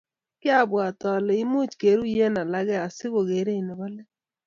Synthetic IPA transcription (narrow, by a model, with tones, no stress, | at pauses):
kɪ˦a˦bwa˨tɔ˨lɔ˨i˦mu˦t͡ʃke˨˦ɾu˦je˦na˨la˦ɣɛ˦a˨sɪ˦ɣo˨ɣe˨˦ɾe˦˨nɪ˨bɔ˦lɛ˦